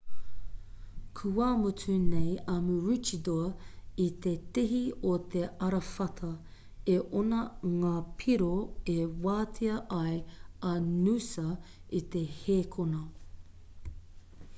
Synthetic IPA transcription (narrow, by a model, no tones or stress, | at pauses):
kʰuamutʰunejɐmuɾut͡ʃidoɐit̪e̞t̪iɦiot̪ʰeɐɾɐfɐt̪ʰɐ | eʔonɐŋaːpʰiɾoewaːtʰiɐʔɐjɐnusɐit̪e̞heːkʰonɐ